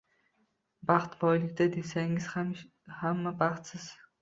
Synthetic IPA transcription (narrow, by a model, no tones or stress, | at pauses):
baχt̪bɒjlɪkʲt̪ad̪esaŋɪz̥ | hamːabaχt̪sɪz̥